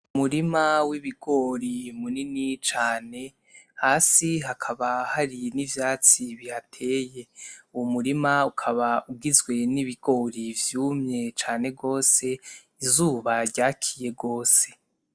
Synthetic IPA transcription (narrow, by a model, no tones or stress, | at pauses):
umuɾimawiβiɡ̥o̞ɾimuninit͡ʃaːne̞ | haːsiɦakʰaβahaɾinivjaːt͡siβihatʰe̞ːje̞uwumuɾimaukʰaβauɡizɡwe̞niβiɡo̞ɾivjuːmɲe̞t͡ʃaːne̞ɡo̞ːse̞ | izuːβaɾɟaːkʰije̞ɡo̞ːse̞̥